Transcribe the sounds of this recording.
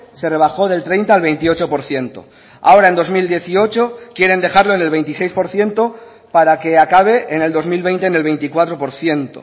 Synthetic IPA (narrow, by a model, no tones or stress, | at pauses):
se̞re̞β̞axo̞ðe̞lt̪ɾe̞jnt̪alβe̞jnt̪io̞t͡ʃo̞po̞ɾθje̞nt̪o̞̰ | a̰o̞ɾae̞nd̪o̞zmild̪je̞θio̞t͡ʃo̞kje̞ɾe̞nd̪e̞xaɾlo̞ene̞lβe̞jnt̪ise̞jspo̞ɾθje̞nt̪o̞ | paɾake̞akaβ̞e̞ʔːne̞ld̪o̞zmilβ̞e̞jnt̪e̞ːne̞lβe̞jnt̪ikwat̪ɾo̞po̞ɾθje̞nt̪o̰